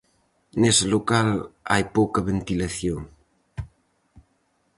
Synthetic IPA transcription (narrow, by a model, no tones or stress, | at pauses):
neselokala̰jpowkɐβent̪ilaθjoŋ